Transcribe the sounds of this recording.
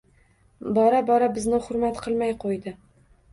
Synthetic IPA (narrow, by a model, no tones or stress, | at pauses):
bɒɾabɒɾabɪznɪχʊɾmat̪qʰɨlˠmajqʰojd̪ɪ